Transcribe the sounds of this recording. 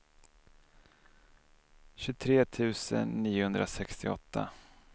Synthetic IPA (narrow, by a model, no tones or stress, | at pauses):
ɕɵt̪ʰɾeːt̪ʰʉ̟ːsə̰nːiːʊhɵnd̪ɾʔasɛkst̪ɪɔ̰t̪ʰːa